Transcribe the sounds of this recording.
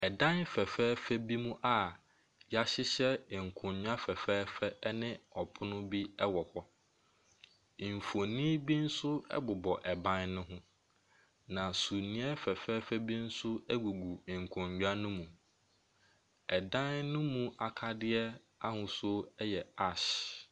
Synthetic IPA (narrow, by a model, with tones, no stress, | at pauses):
ɛ˨dã˦nfɛ˨fɛː˦fɛ˦bi˦mũ˦ʔa˦˨ | ja˦ɕɪ˦ɕɛ˦˨ŋ̩˨kʰʊ̃˨ɲɲᶣ˦a˦fɛ˨fɛː˦fɛ˦nɪ̃˦ɔ˨pʰʊ˦nʊ̃˦bi˦ɛ˦wɔ˨hɔ˦ | i˨m˨fo˨nĩ˦bi˦n̩˦sʊ˦ɛ̰˦bʊ˨bɔ˨ʔɛ˨bã˦nnʊ̃˦ɦʊ̃˦ | nã˨su˨nĩ˦ɛ˦fɛ˨fɛ˦fɛ˦bi˦n̩˦sʊ˦ɛ˦ɡu˨ɡu˨ŋ̩˨kʰʊ̃˨ɲɟᶣa˦nʊ̃˦mũ˨ | ɛ˨dã˦nnʊ̃˦mũ˦a˨kʰa˦dɪ˦ɛ˦ | a˦hʊ̃˨sʊ˦ɛ˦jɛ˨a˦˨ɕ